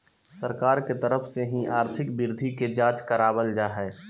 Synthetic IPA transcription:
səɾkaːɾket̪əɾəfʰseɦĩʔaːɾt̪ʰɪkbɪɾd̪ʱiked͡ʒaːt͡ʃkəɾaːbəld͡ʒaːɦɛː

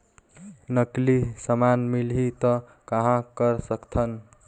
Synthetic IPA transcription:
nʌklisəmanmilɦit̪ʌ | kʌɦãkʌɾsʌkt̪ʰʌn

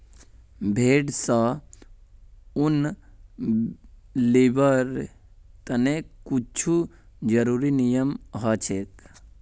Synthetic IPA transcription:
bʱeːɖsa | un | libəɾ | t̪ənekut͡ʃʰu | d͡ʒəɾuɾinijəmɦat͡ʃʰek

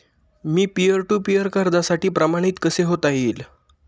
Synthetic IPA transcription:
miːpijəɾʈuːpijəɾkaɾd̪asaʈiːpɾəmaɽ̃it̪kəseɦot̪aɦiːl

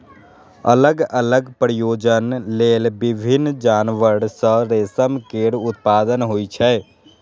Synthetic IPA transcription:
ə̰ləɡələɡpɾəjoːd͡ʒənleːlbɪbʱɪnːd͡ʒaːnʋəɽsəɾeːsəmkeːɽʊt̪paːd̪ənɦoːit͡ʃʰɛː

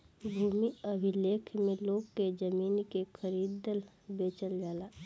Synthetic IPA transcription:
bʱuːmiəbʱɪleːkʰmẽloːɡked͡ʒəmiːnkekʰəɾiːd̪əl | beːt͡ʃəld͡ʒaːlaː

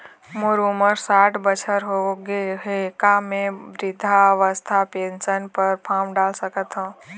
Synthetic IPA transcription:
mʊɾuməɾsaːʈʰbət͡ʃʰəɾɦoɡeɦekamẽʋɾɪd̪ʱaʋəst̪ʰapẽːnsənpəɾpʰaːmɖaːlsəkət̪ɦõː

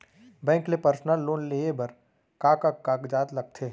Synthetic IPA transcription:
bɛ̃ːŋklepəɾsnəlːoːnleːebɐɾ | kaːkəkːaːkd͡ʒaːt̪lɐɡ̚t̪ʰeː

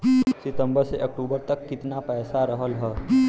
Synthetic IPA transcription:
sɪt̪ə̃mbəɾseʔɐk̚ʈuːbəɾt̪ɐkːɪt̪napɛːsaɾəɦəlɦɛː

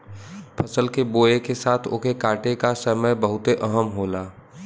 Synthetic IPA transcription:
pʰɐsəlkeboːekesaːt̪ʰo̰ːkekaːʈekasəməjbəɦʊt̪eʔɐɦəmɦoːlaː

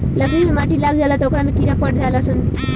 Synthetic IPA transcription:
ləklimemaʈilaɡd͡ʒalat̪okɾamẽkinapəɽ̚d͡ʒalasən

